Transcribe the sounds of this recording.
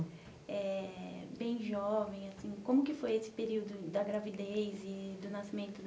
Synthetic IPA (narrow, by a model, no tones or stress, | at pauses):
ɛbẽj̃ʒɔvẽj̃asĩkõmʊkɪfojesɪ̥peɾiwd̪ʊd̪ɐɡɾavid̪ejzɪd̪ʊnasimẽnt̪ʊd̪